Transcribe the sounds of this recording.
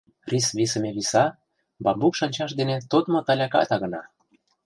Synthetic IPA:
risβisə̆mʲeβisɑ | bɑmbukʃɑnʲt͡ɕɑʃ̬d̪enet̪ot̪mŏt̪ɑlʲɑkɑ̰t̪ɑɣə̆nɑ

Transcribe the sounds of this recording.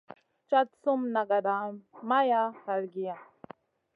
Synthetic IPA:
t͡ʃat̪sumnaɡad̪amajahalɡija

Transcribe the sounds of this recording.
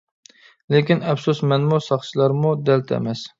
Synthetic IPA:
lekʲinɛpsusmɛnmusɑχt͡ʃʰilˠɑɾmud̪ɛlt̪ʰɛ̰mɛs

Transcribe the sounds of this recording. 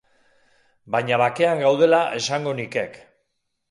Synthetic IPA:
baɲaβake̞aŋɡawð̞e̞laʔe̞saŋɡo̞nike̞k

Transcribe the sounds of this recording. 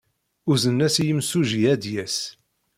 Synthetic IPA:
ʊzənːæsjəmsuʒiæd̪jæs

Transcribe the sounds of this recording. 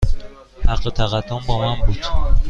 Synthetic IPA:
hæqːet̪ʰæɣæd̪ːombɒːmænbuːd̪̥

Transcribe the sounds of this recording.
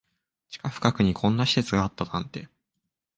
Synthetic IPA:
t͡ɕi̥kaɸɯ̟̥kakɯ̟ɲ̟ikʰõ̞nːaɕi̥se̞t͡sɨɡaːt̪ːanãnt̪e̞

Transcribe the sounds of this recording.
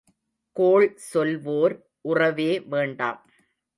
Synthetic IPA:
koːɭsɔlʋoːɾ | ʔʊrɐʋeːʋeːɳɖa̰ːm

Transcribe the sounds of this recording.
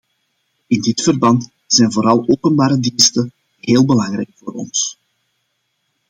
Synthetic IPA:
ɪndɪtfərbɑnt | zɛjnvoːɾɑlˠoːpənbaːɾədinstə | ɦeːlˠbəlɑŋɾɛ̰jkfoːɾɔ̰ns

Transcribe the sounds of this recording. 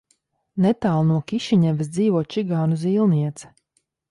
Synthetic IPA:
net̪aːlˠnuɔkiʃiɲɛvʲis̬d̪ziːvuɔt̪̚t͡ʃiɡaːnuziːlˠniɛt̪sɛ̥

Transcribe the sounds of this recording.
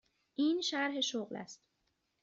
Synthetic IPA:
ʔiːnʃæɾɦeʃoɣlæ̰st̪

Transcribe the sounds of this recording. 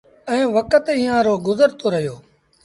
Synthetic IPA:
ɛ̃ːʋəkət̪iːjãːɾoːɡʊzəɾt̪oːɾəɦijoː

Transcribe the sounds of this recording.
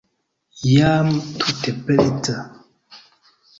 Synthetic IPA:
jaːmtutɛpɛleta

